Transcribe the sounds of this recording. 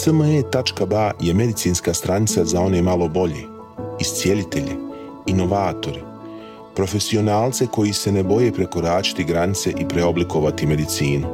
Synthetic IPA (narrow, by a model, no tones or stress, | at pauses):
səmet̪at͡ʃkabaje̞me̞d̪it̪siːnskaːst̪ɾanit̪sazao̞ne̞malo̞bo̞ʎḛː | ist̪sije̞lit̪e̞ʎi | ino̞ʋaːt̪o̞ɾi | pɾo̞fe̞sio̞naːlt̪se̞ko̞jise̞nebo̞je̞ːpɾe̞ko̞ɾaːt͡ʃi̥t̪iɡɾanit̪se̞ʔipɾe̞o̞bliko̞ʋat̪ime̞d̪it̪siːnu